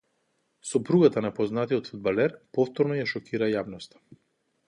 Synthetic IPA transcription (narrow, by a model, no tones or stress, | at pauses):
sɔpɾuɡat̪anapɔznat̪iɔt̪fud̪̚balɛɾpɔft̪ɔɾnɔjaʃɔkiɾajavnɔst̪ḁ